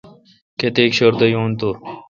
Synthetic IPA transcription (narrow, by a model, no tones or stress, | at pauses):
ket̪eːkɕɐɾd̪ɐjoːnt̪o